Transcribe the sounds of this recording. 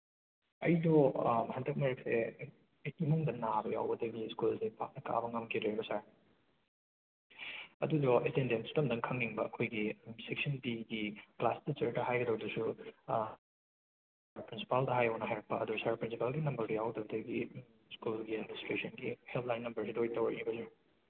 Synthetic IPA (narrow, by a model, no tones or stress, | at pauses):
ɐ̰jdɔhɐndɐk̚mɐɾɐk̚se | imuŋdɐnabɐja̰wbɐdɐɡiskulsipʰa̰k̚nɐka̰bɐŋɐmkʰideebɐsaɾ | ɐdudɔʔetendentsu̥tɐmdɐŋkʰɐŋːiŋbɐːkʰojɡisek̚sɐnpiɡiklasdɐt͡ʃɐɾtɐɦajɡɐdɐwdɐsu | pɾinsi̥paldɐɦajɐwnɐɦajɾɐpːɐɐduɾɐsaɾpɾinsipalɡinɐmbɐɾbjawdɐbɐdɐɡi | skulɡiɐministɾesɐnɡihelpʰlajnːɐmbɐɾsidojtɐwɐnibɐsa